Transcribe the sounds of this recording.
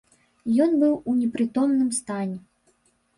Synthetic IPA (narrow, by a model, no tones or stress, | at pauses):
jɔnbɨwunʲɛpɾɨt̪ɔmnɨmst̪anʲɛ